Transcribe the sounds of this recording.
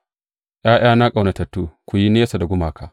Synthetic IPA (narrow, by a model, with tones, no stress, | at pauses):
ʔj̰aː˦ʔj̰aː˦na˦kʼa˨wna˨tɐ˨tːuː˦kʷu˨ji˦neː˦sa˨da˨ɡʷʊ˦maː˨ka˨